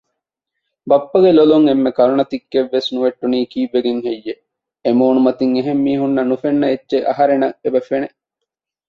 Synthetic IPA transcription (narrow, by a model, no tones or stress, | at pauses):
bɐpːɐɡeloluŋemːekɐɾunɐt̪ikːeʋːesnuʋeʈːuniːkiːʋːeɡeŋɦejːe | emoːnumɐt̪iŋeɦemːiːɦunːɐnufenːɐetːʃeʔɐ̰ɦɐɾenɐʔebɐfeneʔ